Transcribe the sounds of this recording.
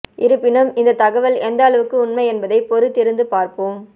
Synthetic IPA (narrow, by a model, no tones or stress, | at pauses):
ʔɪɾɯpːɪnɯmɪnd̪ɐt̪ɐɣɐʋɐlɛnd̪ɐːɭɐʋɯkːɯʊnmɐɪɛnbɐðɐɪpɔɾɯt̪ːɪɾɯnd̪ɯpaːɾpoːm